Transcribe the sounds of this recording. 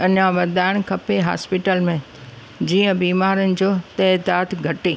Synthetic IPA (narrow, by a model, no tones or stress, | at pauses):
ɐɲãʋɐd̪aːɪɽ̃kʰɐpeɦa̰ːspɪʈəlmẽ | d͡ʑiːə̃biːmaːɾənɪ̆d͡ʑoːt̪ɐːd̪aːt̪ɡʱɐʈeː